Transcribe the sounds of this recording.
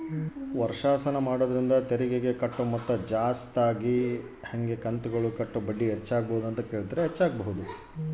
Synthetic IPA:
ʋɐɾʂaːsɐnɐmaːɽoːd̪ɐɾind̪ɐt̪eɾiɡeɡe̞kɐʈːumɐt̪ːɐd͡ʒaːst̪aːɡi | hɐŋɡe̞kɐnt̪uɡɐɭukɐʈːubɐɖːiɦɛt͡ʃːaːɡɐbɐɦud̪uɐnt̪ɐkeːɭd̪ɐɾeɦɛt͡ʃːaːɡɐbɐɦud̪u

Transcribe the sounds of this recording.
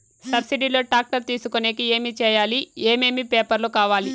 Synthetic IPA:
sɐbsiɖilo̞ːʈaːk̚ʈɐɾt̪iːsukoneːkieːmit͡ʃɛːjaːlieːme̞ːmipeːpɐɾlokaːʋaːli

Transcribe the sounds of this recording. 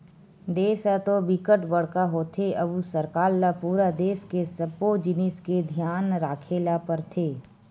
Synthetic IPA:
d̪eːsat̪obɪkəʈbəɽkaɦoːt̪ʰeʔɐbusəɾkaːɾːapuːɾad̪eːskesəbod͡ʒɪnɪsked̪ʱijaːnɾaːkʰeːlapəɾt̪ʰeː

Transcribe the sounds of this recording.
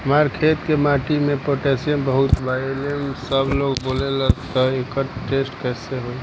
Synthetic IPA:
ɦəmaɾkʰeːt̪kemaːʈimẽpoʈeːsijənbəɦʊt̪ʋajlemsəbloːɡboːlelət̪ɔekəʈeːsʈkɛːseɦoe

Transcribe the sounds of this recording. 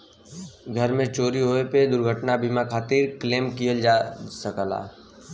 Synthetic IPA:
ɡʱəɾmẽt͡ʃoːɾiɦoːeped̪ʊɾɡʱəʈnabimakʰaːt̪iːɾkleːmkijəld͡ʒasəkəla̰ː

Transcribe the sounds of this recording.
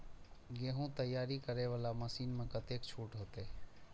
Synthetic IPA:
ɡeːɦũt̪əjːaːɾikəɾeʋaːlaməsiːnmẽkət̪eːkt͡ʃʰuːʈɦoːt̪eː

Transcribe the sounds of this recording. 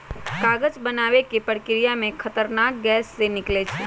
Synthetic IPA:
kaːɡəd͡ʒbənaːʋekepəɽkɪɾijamẽkʰət̪əɾnaːk̚ɡɛːsːenɪklet͡ʃʰe

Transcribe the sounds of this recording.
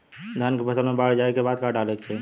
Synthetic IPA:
d̪ʱjankepəsəlmebaɽd͡ʒaekebad̪kaɖalɛkt͡ʃʰɛ

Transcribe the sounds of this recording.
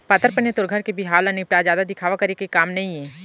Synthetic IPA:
pɐt̪əɾpɐnjet̪ʊɾɡʱəɾkebʱiɦaːlɐnipɾaːzjaːd̪ad̪ɪkʰaːʋakɐɾekekaːmnɐɦĩɛ̃ː

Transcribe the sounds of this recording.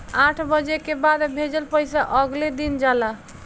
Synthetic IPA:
ãʈʰbəd͡ʒekebad̪bʱed͡ʒəlpəjsaʔəɡled̪ind͡ʒala

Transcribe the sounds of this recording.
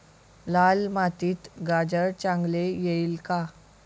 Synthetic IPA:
lalmat̪iːt̪ɡad͡ʑəɾt͡ɕãŋɡlejeilka

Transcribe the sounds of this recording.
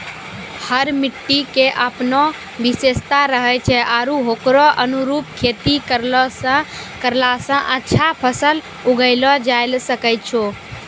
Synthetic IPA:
həɾmɪʈːikeʔəpnɔ | ʋɪseːst̪aɾəɦɛt͡ʃʰɛʔaːɾũɦoːkɾɔʔənuɾuːp̚kʰeːt̪ikəɾ | kəɾlasə̃ʔətːʃʰapʰəsəl | ʊɡəɪlɔd͡ʒaːɪlsəkəjt͡ʃʰoː

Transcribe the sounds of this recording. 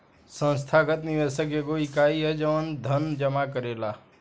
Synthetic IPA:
sə̃nst̪ʰakət̪niʋesəkeɡoɪkaːiɦɛd͡ʒəʋənd̪ʱənd͡ʒəmakəɾeːlaː

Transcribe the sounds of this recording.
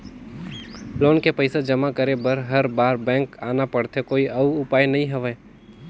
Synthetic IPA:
loːnkepəɪsad͡ʒɐmakəɾebəɾɦəɾbaːɾbɛ̃ːŋkaːnapəɽt̪ʰekoːiʔɐuʊpaːjnɐɦĩɦɐʋɛ

